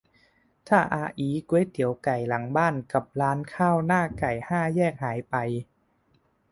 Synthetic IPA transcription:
t̪ʰaː˥˩ʔaː˧ʔiː˨˦ku˧˦jt̪i˩˦əwka˨˩jla˩˦ŋbaː˥˩nka˨˩p̚ɾaː˦˥nkʰaː˥˩wnaː˥˩ka˨˩jhaː˥˩jɛː˥˩k̚haː˩˦jpa˧j

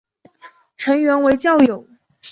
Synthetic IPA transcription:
ʈ͡ʂʰɤ˧˥ŋɥɛ˧˥nwe˧˥ɪt͡ɕjɑ˥˩ʊjo˨˩˦ʊ

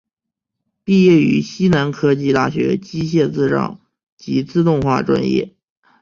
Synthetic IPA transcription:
pi˥˧jɛ˥˩y˧˥ɕi˥na˧˥nkʰɤ˥t͡ɕi˥˧t̪a˥˩ɕɥɛ̰˧˥t͡ɕi˥ɕ̬jɛ˥˩t͡sɹ̩˥˧ʈ͡ʂɑ̰˥˩ʊ | t͡ɕi˧˥t͡sɹ̩˥˧t̪ʊ˥˧ŋxwa̰˥˩ʈ͡ʂwa̰˥njɛ̰˥˩

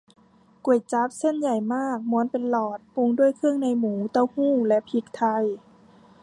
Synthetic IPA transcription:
ku˨˩əjt͡ɕa˧˦˥p̚se˧˥˨nja˨˩jmaː˥˩k̚mu˧˦npe˨nlɔː˨˩t̪̚pu˧˥ŋdu˥˩əjkʰɯ˥˩əŋna˧˥jmuː˩˦t̪a˧˥˨whuː˥˩lɛ˧˥ʔpʰi˧˦k̚t̪ʰa˧j

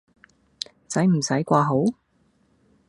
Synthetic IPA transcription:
t͡sɐ˨˥jm̩˨˩sɐ˨˥jkʷaː˧ɦo˨˥w

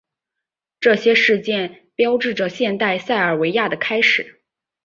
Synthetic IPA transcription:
ʈ͡ʂɤ˥˩ɕjɛ˥ʂɻ̩˥˧t͡ɕjɛ˥˩n | pjɑ˥ʊʈ͡ʂɻ̩˥˩ʈ͡ʂə˩ɕjɛ˥˧nt̪a˥˧ɪsa˥˩ɪə˞˨˩we˧˥ɪja˥˩d̪ə˩kʰa˥ɪʂɻ̩˨˩˦

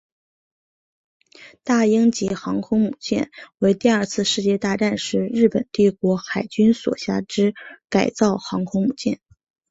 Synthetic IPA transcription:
t̪a˥˩i˥ŋt͡ɕi˧˥xɑ˧˥ŋkʰʊ˥ŋmu˨˩t͡ɕjɛ̰˥˩nwe˧˥ɪt̪i˥˧ɐ˞˥˧t͡sʰɹ̩˥˧ʂɻ̩˥˧t͡ɕjɛ˥˧t̪a˥˧ʈ͡ʂa˥˩nʂɻ̩˧˥ɻɻ̩˥˩pə̰˨˩nt̪i˥˩˥kwɔ˧˥xa˨˩ɪt͡ɕy˥nswɔ̰˨˩ɕja˧˥ʈ͡ʂɻ̩˥ka˨˩ɪt͡sɑ˥˩ʊxɑ˧˥ŋkʰʊ˥ŋmu˨˩t͡ɕjɛ˥˩n

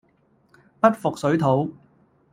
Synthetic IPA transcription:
pɐ˥t̚fʊ˨k̚sɵ˨˥ɥt̪ʰo˨˥w

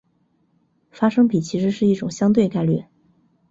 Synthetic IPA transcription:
fa˥ʂɤ˥ŋpi˨˩t͡ɕʰi˧˥ʂɻ̩˧˥ʂɻ̩˥˧i˥˩ʈ͡ʂʊ˨˩ŋɕjɑ˥ŋt̪̬we˥˧ɪka˥˧ɪlɥɛ̰˥˩

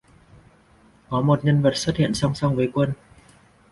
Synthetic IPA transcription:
kɔ˨˦mo˨˩t̚ɲə˧nvə˨˩t̚swə˦˥t̚hḭ˧˨ənsa˧wŋ͡msa˧wŋ͡mvəː˨˦jkwə˧n

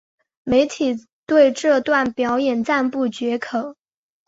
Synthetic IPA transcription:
me˧˥ɪt̪ʰi˨˩˦ | t̪we˥˧ɪʈ͡ʂɤ˥˧t̪wa˥˩npjɑ˧˥ʊjɛ˨˩nt͡sa˥˧npu˥˩t͡ɕɥɛ˧˥kʰɤ˨˩ʊ

